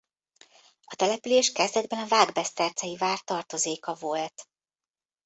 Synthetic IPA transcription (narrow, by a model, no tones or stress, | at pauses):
ɒt̪ɛlɛpyleːʃkɛzd̪ɛd̪̚bɛnɒvaːɡbɛst̪ɛrt̪sɛjivaːrt̪ɒrt̪o̞zeːkɒvo̞lt̪